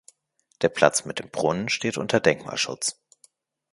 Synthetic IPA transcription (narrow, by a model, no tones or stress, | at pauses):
d̥eːɐpʰl̥a̰t͡smɪt̚d̥eːmb̥ʁʊnənʃteːtʔʊ̰ntʰɐdɛŋkma̰ːlʃʊ̰t͡s